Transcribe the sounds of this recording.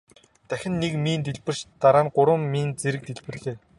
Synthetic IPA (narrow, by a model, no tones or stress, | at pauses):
t̪æxʲɪ̆nːekmiːnt̪eɮpɘ̆r̥t͡ɕt̪aɾaːnɢʊɾə̆mːiːnt͡seɾɘ̆k̚t̪eɮpɘ̆rɮeː